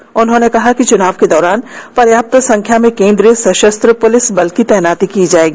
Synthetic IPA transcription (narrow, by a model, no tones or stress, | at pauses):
ʊnɦõːnekɐɦakit͡ʃʊnaːʋked̪ɔːɾaːnpɐɾjaːp̚t̪sɐ̃ŋkʰjamẽkẽːnd̪ɾiəsɐʃəst̪ɾəpʊlɪsbɐlkit̪ɛːnaːt̪ikid͡ʒaːeːɡiː